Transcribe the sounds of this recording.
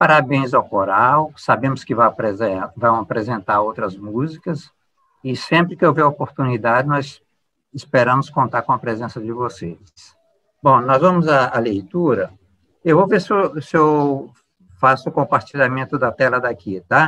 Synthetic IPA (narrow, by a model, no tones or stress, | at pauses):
paɾabẽj̃zawkoɾawsabẽmʊskɪvapezvɐ̃w̃apɾezẽnt̪aɾowt̪ɾɐzmuzikɐs | ɪsẽmpɾɪkɪewveɐopoɾt̪unid̪ad͡ʒɪnɔz | ɪspeɾɐ̃mʊskõnt̪aɾkõɐpɾezẽsɐd͡ʒɪvose | s | bõnɔzvɐ̃mʊzɐːlejt̪uɾɐ | ewvovesosɪew | fasʊkõpaɾt͡ʃiʎamẽnt̪ʊd̪ɐt̪ɛlɐd̪akit̪a